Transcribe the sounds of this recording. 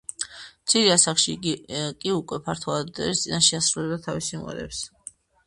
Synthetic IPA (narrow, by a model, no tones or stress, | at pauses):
mt̪sʰiɾiasaχʃikʼiukʼwɛpʰaɾt̪ʰwɔad̪ɛ̰list̪sʼinaʃɛasɾulɛbd̪at̪ʰavisimʁɛ̰ɾɛ̰ps